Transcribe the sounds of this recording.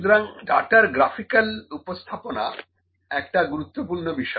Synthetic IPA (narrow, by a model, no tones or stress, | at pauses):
d̪ɾaŋɖaʈaɾɡɾafikalupost̪ʰapona̰ | ɛk̚ʈaɡuɾut̪ːopuɾnobiʃɔ